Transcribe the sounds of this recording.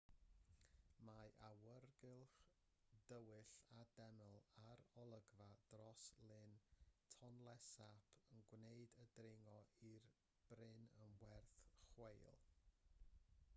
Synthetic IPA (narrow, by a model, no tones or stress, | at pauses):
maʔawərɡɪlˠχ | d̥əwɪɬadɛnəlˠaɾɔlˠəɡvad̥rɔslɪntʰɔnlˠɛsapʰənɡwneɨdədrɪŋɔʔir | b̥rɪnənwɛrθχwejlˠ